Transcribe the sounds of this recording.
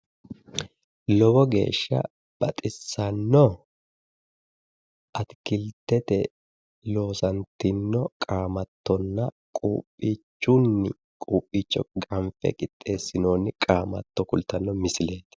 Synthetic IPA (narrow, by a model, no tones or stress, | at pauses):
lɔbɔɡe̞̰ːʃːɐ̰ | b̥ɐt̪ʼɪsːɐnːɔ | ʔɐt̪kɪlt̪ɛt̪ɛ | lo̞ːsɐnt̪ɪnːɔkʼaːmɐt̪ːɔnːɐ | kʼṵːpʼːiːt͡ʃːunːɪ | kʼuːpʼːiːt͡ʃːɔɡɐɱfɛ̰kʼɪt̪ʼːe̞ːsːɪno̞ːnːɪkʼaːmɐ̰t̪ːɔkʊlt̪ɐnːɔmɪsɪle̞ːt̪ɪ̥